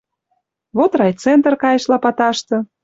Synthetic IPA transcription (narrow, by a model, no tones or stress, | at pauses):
βot̪rɑjt͡sent̪ərkɑjə̆ʃlɑpɑt̪ɑʃt̪ɤ̆